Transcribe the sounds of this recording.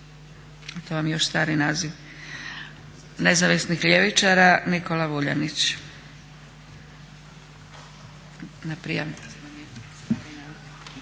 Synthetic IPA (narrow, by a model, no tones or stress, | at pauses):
at̪oʋamjoʃst̪aːɾninaːziʋ | nezaʋisnixʎeʋit͡ʃaɾaniko̞laʋuʎa̰nit͡ɕ | napɾḭjam | t̪ainaːzi